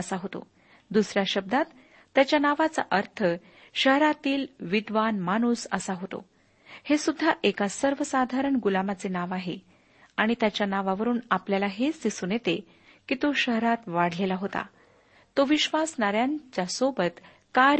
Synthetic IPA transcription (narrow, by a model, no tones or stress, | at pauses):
əsaɦot̪o̰ | d̪usɾjaɕəb̚d̪ʱat̪ː | jat͡ɕjanaʋat͡sa̰ʔəɾt̪ʰə | ɕəɦɾat̪iːlʋid̪ʋanmañusə̰saɦot̪o̰ | hesud̪ʱːaʔekasəɾʋəsad̪ʱaɾəɳɡulamat͡senaʋaɦe | aɽ̃it̪jat͡ɕjanaʋaʋəɾuːnapljalaɦet͡sd̪isunjet̪e | kit̪oɕəɦɾat̪ʋaɽ̤lelaɦot̪a̰ | t̪oʋiɕʋasnaɾjãɲt͡ɕjasobət̪ | ka